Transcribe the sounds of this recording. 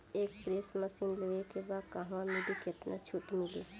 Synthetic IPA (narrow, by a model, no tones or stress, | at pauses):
eːkpɾeːsməsiːnləʋekebaːd̪kaɦʋãmeɖikɪt̪nʔa̰t͡ʃʰʊʈmɪleː